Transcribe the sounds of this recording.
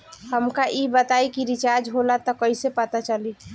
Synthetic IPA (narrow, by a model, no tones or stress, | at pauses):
həmkaʔibət̪aikiɾit͡ʃaɾd͡ʒɦolat̪ɔkəjsepət̪at͡ʃəli